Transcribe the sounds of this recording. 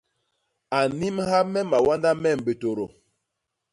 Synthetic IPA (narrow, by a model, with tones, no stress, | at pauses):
a˨ni˦mha˦mɛ˦ma˨wa˦nda˦mɛ˦˨m˨be˨to˨ɾo˨